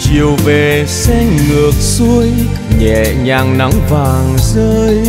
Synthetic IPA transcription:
t͡ɕi˨˩əwve˨˩ | sɛ˧ŋŋɨ˨˩ək̚su˧əj | ɲɛ̰˧˨ɲaː˨˩ŋna˨˦ŋvaː˨˩ŋzəː˧j

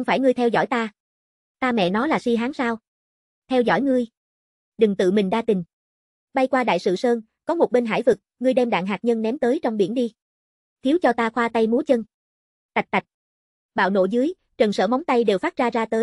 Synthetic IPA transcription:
wŋ͡mfaː˧˩jŋɨ˧əjt̪ʰɛ˧wzɔ̰˧˩jt̪aː˧ | t̪aː˧mɛ̰˧˨nɔ˨˦laː˨˩si˧ɦaː˨˦ŋsaː˧w | t̪ʰɛ˧wzɔ̰˧˩jŋɨ˧əj | ɗɨ˨˩ŋt̪ɨ̰˧˨mï˨˩ŋ̟ɗaː˧t̪ï˨˩ŋ̟ | ɓa˧jkwaː˧ɗa̰ː˧˨jsɨ̰˧˨səː˧n | kɔ˨˦mo˨˩t̚ɓe˧nɦa̰ː˧˩jvɨ˨˩k̚ŋɨ˧əjɗɛ˧mɗa̰ː˧˨ŋɦaː˨˩t̚ɲə˧nnɛ˨˦mt̪əː˨˦jt͡ɕɔ˧wŋ͡mɓi˧˩ənɗi˧ | t̪ʰi˨˦əwt͡ɕɔ˧t̪aː˧xwaː˧t̪a˧jmu˨˦ət͡ɕə˧n | t̪a˨˩k̚t̪a˨˩jk̚ | ɓa̰ː˧˨wno̰˧˩zɨ˨˦əj | t͡ɕə˨˩nsə̰ː˧˩m˨˦wŋ͡mt̪a˧jɗe˨˩wfaː˦˥t̚zaː˧zaː˧t̪əː˨˦j

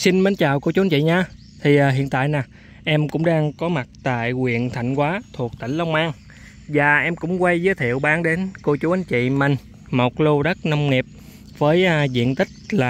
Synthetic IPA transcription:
si˧nmə˨˦nt͡ɕaː˨˩wko˧t͡ɕu˨˦˨nɲt͡ɕḭ˧˨ɲaː˧ | t̪ʰi˨˩ʔːɦḭ˧˨ənt̪a̰ː˧˨jnaː˨˩ | ʔɛ˧mkʊ̰˧˥ŋ͡mɗaː˧ŋkɔ˨˦ma˨˩t̚t̪a̰ː˧˨jkwḭ˧˨ənt̪ʰa˧˩jŋ̟kwaː˨˦t̪ʰu˨˩ək̚t̪ï˧˩ŋ̟lə˧wŋ͡mʔaː˧ŋ | vaː˨˩ʔɛ˧mkʊ̰˧˥ŋ͡mkwa˧jzəː˨˦jt̪ʰi˧˨əwɓaː˨˦ŋɗe˨˦nko˧t͡ɕu˨˦ʔa˨˦nt͡ɕḭ˧˨mï˨˩ŋ̟ | mo˨˩t̚lo˧ɗə˦˥t̚na˧wŋ͡mŋi˨˩əp̚ | vəː˨˦jʔzḭ˧˨ənt̪ï˦˥k̟̚laː˨˩

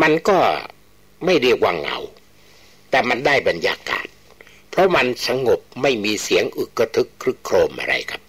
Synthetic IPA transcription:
ma˧nkɔː˥˩ | ma˥˩jɾi˧˩k̚wa˧ŋːa̰˨˧˩w | t̪ɛː˨˩ma˧ndaː˥˩jba˧njaː˧ka̰ː˨˩t̪̚ | pʰɾɔ˦˥ma˧nsa˧ŋo˨˩p̚ma˥˩jmiː˧si˩˦əŋʔɯ˨˩kːa˧t̪ʰɯ˦˥kʰːɾɯ˦˥kʰːɾoː˧mʔa̰˧ɾa̰˧jkʰa˦˥p̚

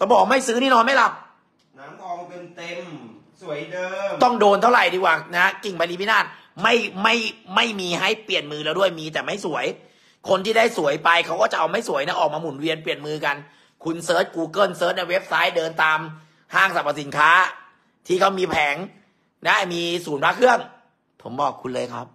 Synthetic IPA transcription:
t̪ɔ˧˦bɔː˨˩kma˥˩jsɯː˦˥niː˥˩nɔː˧nma˥˩jla˦˥p̚ | na˦˥mkʰɔː˧pe˧nt̪e˧m | su˨˩˦əjdɤː˧t̪ɔ˥˩ŋdoː˧nt̪ʰa˥˩wɾa˨˩jdiː˧kwaː˨˩na˦˥ki˨˩ŋpʰa˧liː˧pʰi˦˥naː˥˩t̪̚ | ma˥˩jma˥˩jma˥˩jmiː˧ha˥˩jpli˨˩ənmɯː˧lɛː˧wdu˥˩əjmiː˧t̪ɛː˨˩ma˥˩jsu˩˦əj | kʰo˧nt̪ʰiː˥˩daː˥˩jsu˩˦əjpa˧jkʰa˦˥wkɔː˥˩t͡ɕa˨˩ʔa˧wma˥˩jsu˨˩˦jna˦˥ʔɔː˨˩k̚maː˧mu˩˦nwi˧ənpli˨˩ənmɯː˧ka˧n | kʰu˧nsɤː˦˥t̪̚kuː˧kɤː˥˩nsɤː˦˥t̪̚na˧jwe˦˥p̚sa˦˥jdɤː˧nt̪aː˧m | haː˥˩ŋsa˨˩pːa˧˩si˩˦nkʰaː˦˥ | t̪ʰiː˥˩kʰa˦˥wmiː˧pʰɛː˩˦ŋ | na˦˥miː˧suː˩˦npʰaː˦˥kʰɯ˥˩əŋ | pʰo˩˦mbɔː˨˩kʰːu˧nlɤː˧jkʰɾa˦˥p̚

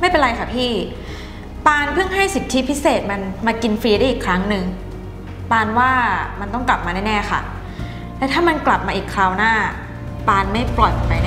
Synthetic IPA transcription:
ma˥˩jpe˧nɾa˧jkʰa˥˩pʰiː˥˩ | paː˧npʰɯ˥˩əŋɦa˥˩jsi˨˩˦t̪ʰːi˦˥pʰi˦˥seː˨˩t̪̚ma˧nmaː˧ki˧nfɾiː˧ɾa˥˩ʔiː˨˩kʰɾa˦˥ŋnɯ˧ŋ | paː˧nwaː˥˩ma˧nt̪ɔ˥˩ŋkla˨˩p̚maː˧naː˥˩nɛː˥˩xʰa̰˥˩ | lɛ˦˥wt̪ʰaː˥˩ma˧nkla˨˩p̚maː˧ʔiː˨˩kʰlaː˧wnaː˥˩ | paː˧nma˥˩jplɔ˨˩jpo˨˩pa˧jn˥˩

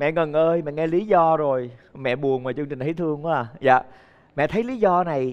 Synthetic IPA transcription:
mɛ̰˧˨ŋə˨˩nʔəː˧jmɛ̰˧˨ŋɛ˧li˨˦zɔ˧zo˨˩jmɛ̰˧˨ɓu˨˩ənvaː˨˩t͡ɕɨ˧ŋt͡ɕï̟˨˩tʰi˨˦jt̪ʰɨ˧əŋː˧˨˦aː˨˩za̰ː˧˨ | mɛ̰˧˨t̪ʰə˨˦jli˨˦zɔ˧na˨˩j

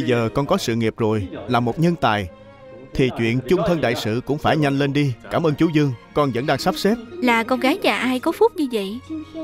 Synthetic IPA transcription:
ɓə˧jzəː˨˩kɔ˧nkɔ˨˦sɨ̰˧˨ŋi˨˩əp̚zo˨˩jlaː˨˩mo˨˩t̚ɲə˧nt̪a̰ː˨j | t̪ʰi˨˩t͡ɕwḭ˧˨ənt͡ɕʊ˧ŋ͡mt̪ʰə˧nɗa̰ː˧˨jsɨ̰˧˨kʊ̰˧˥ŋ͡mfaː˧˩jɲa˧jŋ̟le˧nɗi˧kaː˧˩mʔəː˧nt͡ɕu˨˦zɨ˧əŋkɔ˧nzə̰˧˥nɗaː˧ŋsa˦˥p̚se˦˥p̚laː˨˩kɔ˧nɣaː˨˦jzaː˨˩ʔaː˧jkɔ˨˦fu˦˥t̚ɲɨ˧və̰˧˨j

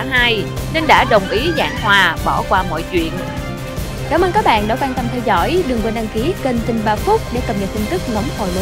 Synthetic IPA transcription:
ɦaː˧jne˧nɗa̰ː˧˥ɗə˨˩wŋ͡mʔi˨˦za̰ː˧˩ŋhwaː˨˩ɓɔ˧˩kwaː˧mɔ̰˧˨jt͡ɕwḭ˧˨ən | kaː˧˩wmʔəː˧nkaː˦˥k̚ɓa̰ː˧˨nɗɔ˨˦kwaː˧nt̪ə˧mt̪ʰɛ˧wzɔ̰˧˥˨jɗɨ˨˩əŋvə˨˩˨nɗa˧ŋki˨˦ke˧nt̪ï˧nɓaː˧fʊ˦˥k͡p̚ɗḛ˧˩kə˨˩p̚ɲə˨˩t̚t̪i˧nt̪ɨ˦˥k̚ŋɔ˨˦mhɔ̰˨˩nlɨ̰˧˦

